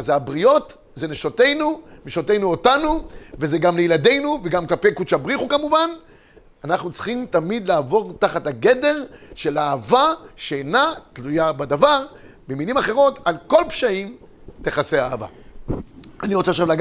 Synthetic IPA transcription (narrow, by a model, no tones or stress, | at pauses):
azabʁio̞t | zeneʃote̞jnumeʃote̞jnuotanuvezeɡamlejilade̞jnuveɡamklape̞jkut͡ʃabʁiχukamuvan | anaχnut͡sχimtamid̪laːvo̞ʁtaχathaɡe̞de̞ʁʃe̞laːvaʃenatlujabad̪avaʁ | bemilimaχe̞ʁo̞talko̞lpʃaim | te̞χase̞aːva̰ | aniʁo̞t͡saʃavlaɡ